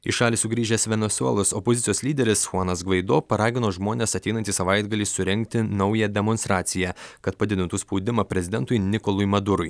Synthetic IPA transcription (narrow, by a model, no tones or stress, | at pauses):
ɪʃɑːlʲiːsʊɡɾʲiːʒʲɛsʲʋʲɛnʲɛsuɛ̰lˠʊsɔpozʲɪt̪ʲɪjoːslʲiːd̪ʲɛɾʲɪsxuɑnɐsɡʋɐɪd̪oːpɐɾɑːɡʲɪnoːʒmoːnʲeːsɐt̪ʲɛɪnɐnʲt̪ʲiːsɐʋɐɪd̪ɡɐlʲiːsʊɾʲɛŋʲk̚t̪ʲɪnɒʊjɛd̪ʲɛmɔnst̪ɾɑːt̪sʲɪjækɐt̪pɐd̪ʲɪd̪ʲɪnt̪uːspɔʊd̪ʲɪmɐpʲɾʲɛzʲɪd̪ʲɛnt̪ʊjnʲɪkɔlˠʊjmɐd̪ʊɾʊj